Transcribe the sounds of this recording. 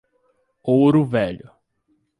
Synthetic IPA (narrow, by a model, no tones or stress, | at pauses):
owɾʊvɛʎʊ